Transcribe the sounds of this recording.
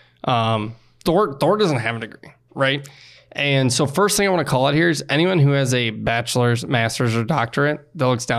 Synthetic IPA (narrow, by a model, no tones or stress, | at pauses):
ʔʌ̃m | θɔɹ̚θɔɹ̚d̥ʌz̃n̩t̚ɦæṽntɨɡḭ | ɹaɪt̚ | ʔɨ̃nsoʊfɜ˞st̪θɪ̃ŋaɪwɑ̃nəkʰɔlˠðət̚hiɹɨzɛñiwʌ̃nɦʉɨzɨbæt͡ʃl̩ˠə˞zmæstə˞zə˞dɑk̚tə˞ɨ̃nðɨtˡlʊksd̥ã